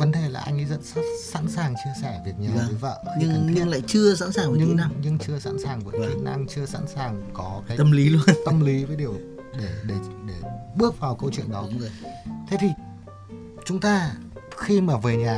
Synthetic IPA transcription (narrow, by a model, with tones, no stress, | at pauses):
və˨˦nt̪ʰe˨˩laː˨˩ʔa˧jŋ̟ʔḭ˨˦zə̰˧˨nssa̰˧˥nsaː˨˩ŋt͡ɕɨ˧əsɛ˧˩vi˨˩ət̚ɲaː˨˩˨i˨˦va̰ː˧˨a̰˧˨ɲɨ˧ŋ˧ɲɨ˧˦˧ŋla̰ː˧˨jt͡ɕɨ˧əsa̰˧˥nsaː˨˩ŋvɲɨ˧ɲɨ˧ŋt͡ɕɨ˧əsa̰ː˧˥nsaː˨˩ŋvu˧˨˩i˧˩na˧ŋt͡ɕɨ˧əsa̰˧˥nsaː˨˩ŋkɔ˨˦kaː˨˦ə˧mli˨˦lu˧ənt̪ə˧mli˨˦vəː˨˦jɗi˨˩əw | ɗe˧˩ɗe˧˩ɗe˧˩ɓɨ˦˥ək̚vaː˨˩wkə˧wt͡ɕwḭ˧˨əŋɗɔ˨˦ | t̪ʰe˨˧˦jt̪ʰi˨˩ | t͡ɕʊ˨˦ŋ͡mt̪aː˧ | xi˧maː˨˩veː˨˩ɲaː˨˩